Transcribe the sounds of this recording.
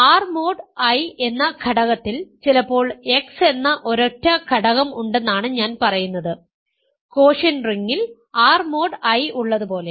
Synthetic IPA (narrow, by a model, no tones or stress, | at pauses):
aːrmo̞ːɖɐje̞nːɐkʰɐɽɐɣɐt̪ːilt͡ɕilɐpːo̞ːɭe̞kse̞nːɐʔo̞ɾotːɐkʰɐɽɐɣɐmuɳɖe̞nːaːɳɨɲaːnpɐrɐjunːɐðɨ | ko̞ːʂɐnriŋːil | aːrmo̞ːɖɐjuɭːɐðɨpo̞ːle̞